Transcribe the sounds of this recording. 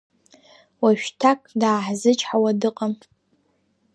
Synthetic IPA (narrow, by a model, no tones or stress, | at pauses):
waʃᶣtʰakʼdaːħzɨt͡ʃʼħawadɨqʼam